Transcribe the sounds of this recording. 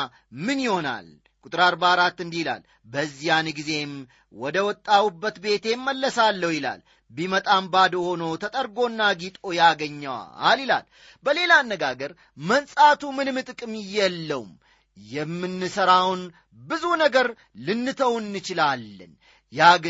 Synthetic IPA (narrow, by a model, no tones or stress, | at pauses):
mɨnjɪho̞na̰l | kʼuʊt̪ʼɾaɾbaɾat̪ːɨnd̪ihla̰l | bəzːijanɡize̞m | wɔd̪əwɔt̪ʼːawubːət̪be̞t̪ʰe̞mːəlːəsalːəwjɪla̰l | bimət̪ʼambad̪honot̪ʰət̪ʼəɾɡo̞nːaɡit̪ʼo̞jaɡəɲːəwa̰alila̰l | bəle̞laːnːəɡaɡəɾ | mənsʼat̪ʰumɨnɨmɨt̪ʼɨkʼɨmɪjːɛlːəw̰m | jɛmːɨnːɨsəɾawn | bɨzunəɡəɾ | lɨnːɨt̪ʰəwɨnːɨt͡ʃɪlalːə̰n | ja